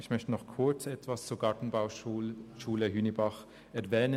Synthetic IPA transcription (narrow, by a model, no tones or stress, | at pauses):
ɪçmœçtənɔχkʰʊɐt͡sɛtv̥ast͡suːɐɡ̥ɑɹtn̩baʊʃʃuːləɦyːnəbaχ | ʔɛɐvɛːnə